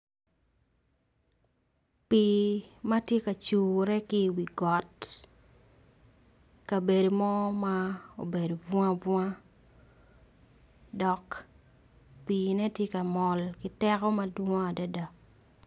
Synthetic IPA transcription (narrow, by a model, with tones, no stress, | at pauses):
pi˨ma˦tje˦ka˨t͡ʃuː˨ɾɛ˦kɪ˦wi˨ɡɔ˨t | ka˨be˨do˨mɔ˦ma˦o̰˨be˨do˨vwã˦vwã˦ | dɔ˨k | piː˨nɛ˦tje˦ka˨mɔ˨lkɪ˦tɛ˦kɔ˦ma˦dwõ˦a˨da˦da˨